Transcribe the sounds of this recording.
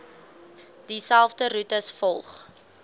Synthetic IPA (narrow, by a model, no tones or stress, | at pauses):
d̥isælˠfdəɾutəsfɔlˠχ